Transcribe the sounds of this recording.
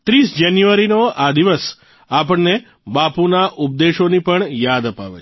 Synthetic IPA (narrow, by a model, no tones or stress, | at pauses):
t̪ɾisd͡ʒanjuʋəɾinoʔad̪iʋəs | apəɳne | bapunaʔʊp̚d̪eʃonipəɳjad̪əpa̰ʋḛ